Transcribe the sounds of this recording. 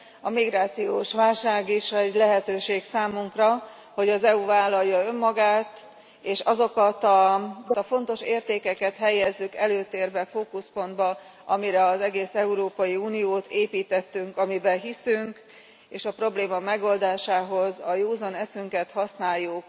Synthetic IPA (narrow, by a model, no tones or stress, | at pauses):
ɒmiɡɾaːt̪sijoːʃʋaːlʃaːɡiʃɛɟlɛɦɛt̪øːʃeːksaːmuŋkrɒ | ho̞ɟɒzɛuvaːlːɒjːɒø̞mːɒɡaːt̪ | eːʃɒzo̞kɒt̪ɒt̪ɒfo̞n̪t̪o̞ʃeːrt̪eːkɛkɛt̪ɦɛjːɛzːykɛløːt̪eːrbɛfoːkuspo̞nd̪bɒ | ʔɒmiɾɛɒzɛɡeːsɛuɾoːpɒjiuːnijoːt̪eːpiːt̪ɛt̪ːyŋkɒmibɛɦisyŋk | eːʃɒpro̞bleːmɒmɛɡo̞ld̪aːʃaːɦo̞zɒjoːzonɛsyŋkɛt̪hɒsnaːjːuk